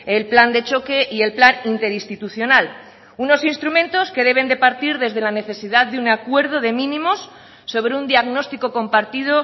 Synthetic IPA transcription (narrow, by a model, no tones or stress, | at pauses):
elpland̪e̞t͡ʃo̞ke̞ʔie̞lplanint̪e̞ɾist̪it̪uθjo̞nal | uno̞sinst̪ɾumẽ̞nt̪o̞ske̞ð̞e̞β̞e̞nd̪e̞paɾt̪iɾðe̞zðe̞lane̞θe̞siðaððeunakwe̞ɾð̞o̞ðemĩnĩmo̞sː | o̞β̞ɾeund̪iaɣno̞st̪iko̞ko̞mpaɾt̪ið̞o̞